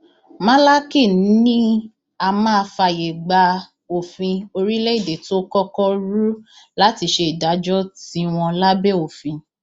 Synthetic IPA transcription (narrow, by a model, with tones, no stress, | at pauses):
mã˦la˦ki˦˨n̩˦nĩ˦ | a˧mãː˦˧fa˧je˨ɡ͡ba˧ | o˨fĩ˧o˧ɾi˦le˦i˦˨de˨to˦kɔ˦kɔ˦ɾu˦ | la˦ti˧ʃe˧i˨da˨˦d͡ʒɔ˦tĩ˨˦w̃ɔ̃˧la˦be˦o˨fĩ˧